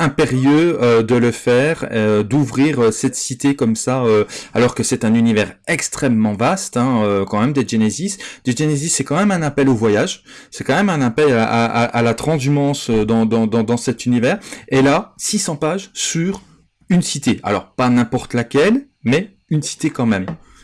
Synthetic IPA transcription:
ɛ̃peʁjøød̪ələfɛːʁeød̪uvʁiʁøsɛt̪sit̪ekɔmsaøalɔʁkəsɛt̪ɛ̃nynivɛʁɛkst̪χɛmːɑ̃vast̪ɛ̃økɑ̃mɛmd̪eʒenezisd̪eʒenezisːɛkɑ̃mɛmɛ̃napɛlovwajaʒ | sɛkɑ̃mɛmɛ̃napɛlaʔaa̰ʔalat̪χɑ̃zymɑ̃sød̪ɑ̃d̪ɑ̃d̪ɑ̃d̪ɑ̃sɛt̪ynivɛːʁelasisɑ̃paʒsyʁ | ynsit̪ea̰lɔ̰ʁpanɛ̃pɔʁt̪lakʲɛl | mɛ | ynsi̥t̪ekɑ̃mɛm

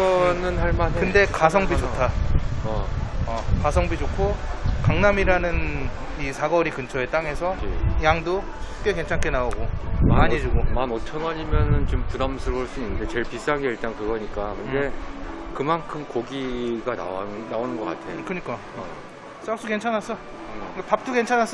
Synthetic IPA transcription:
ʌnɯnɦaɭmanɯnde̞kas̬ʰʌŋbid͡ʑotʰaʌʌkasʰʌŋbid͡ʑokʰokaŋnamiɾanɯn | isʰaɡʌɾikɯnt͡ɕʰʌe̞t͈aŋe̞sʰʌjaŋdo | sʰu̥p̚k͈e̞ke̞nt͡ɕʰaŋkʰe̞naoɡomaaɲid͡ʑuɡomanotʰʌɡaɲimjʌnɯnt͡ɕompudamsʰɯɾɭs͈uinːɯnde̞t͡ɕe̞ɭpis͈aɡeiɭt͈ankɯɡʌɲik͈akɯnde̞kɯmankʰɯmkoɡiɡana̰wanaonɯnɡʌk͈a̰tʰe̞okɯɲik͈a | s͈ak̚s͈uke̞nt͡ɕʰanɦas͈ʰʌ | ɯkapap̚t͈ʰuke̞nt͡ɕʰanas͈ʌ

